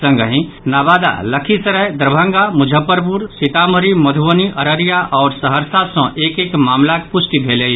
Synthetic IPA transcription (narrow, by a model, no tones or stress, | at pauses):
sə̃ŋɡəɦĩ | naːbaːd̪a̰ləkʰisəɾəjd̪ɾbʱə̃ŋɡamʊd͡ʒʱəpːəɾpuɾsɪt̪aːməɾimɐd̪ʱuʋəniʔəɾəɾijaʔɔːɾsəɦəɾsasɔ̃ʔeːkekmaːmlakpʊsʈibʱeːle